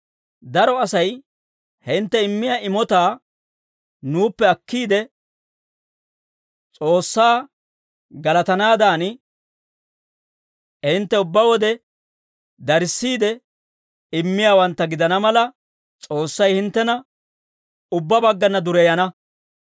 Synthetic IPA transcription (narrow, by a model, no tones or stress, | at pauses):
d̪ɐɾɔɐsɐj | hɪnt̪ːɛɪmːɪjaʔɪmɔt̪aː | nuːpːɛɐkːiːd̪ɛ | t͡sʼo̞ːsːaː | ɡɐlɐt̪ɐnaːd̪aːn | hɪnt̪ːɛʊbːɐwɔd̪ɛ | d̪ɐɾɪsːiːd̪ɛ | ɪmːɪjaːwɐnt̪ːɐɡɪd̪ɐnɐmɐlɐ | t͡sʼo̞ːsːɐjhɪnt̪ːɛnɐ | ʊbːɐbɐɡːɐnːɐd̪ʊɾɛjɐnɐ